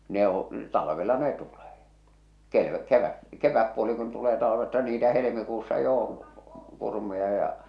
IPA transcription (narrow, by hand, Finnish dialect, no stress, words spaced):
ne õː tɑlɑʋelɑ ne tuleː ke keʋæ keʋæpːuoli kun tuleː tɑlɑʋestɑ niːtæ helemikuːsːɑ jo on̞ kurmujɑ jɑ